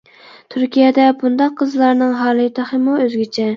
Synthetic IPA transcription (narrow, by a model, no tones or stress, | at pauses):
t̪ʰyɾkʲijɛd̪ɛbund̪ɑqʰːəzlˠɑɾnɨŋɦɑːlˠɨt̪ʰɑχəmuøzɡʲet͡ʃʰɛ